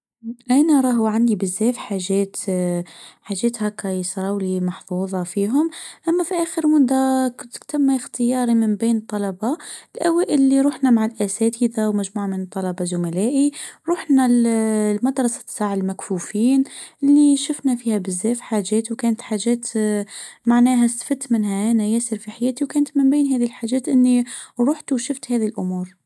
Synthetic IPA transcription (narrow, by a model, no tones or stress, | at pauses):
ʔænæɾˤɑɦuʕand̪ibəzːæfħaʒæːt̪ | ħaʒːæːt̪hækɑjəsɾˤɑwlimɑħfuːðˤɑfiɦʊmʔæmːæfiʔæxəɾmʊd̪ːækʊt̪kt̪æmːæxt̪əjɑːɾˤiməmbiːnt̪ˤːɑlɑbɑlʔæwæːʔəlːiɾˤuːħnæmaʕalʔæsæt̪id̪awmæʒmuːʕamənt̪ˤːɑlɑbɑzʊmælæːʔiɾˤuːħnællmɑd̪ɾˤɑsḁsaːʕalmækfuːfiːnʔɪlːiʃʊfnæfiːhæbɪzːæːfħaːʒæːt̪wkæːnət̪ħaːʒæːt̪ | maʕnæːɦæsfɪt̪mɪnhæʔænæjæːsɪɾfiħajæːt̪iwkæːnt̪mɪmbeːnɦæːðilħaːʒæːt̪ʔɪnːiɾˤuːħt̪wʃʊft̪hæːðilʔʊmuːɾ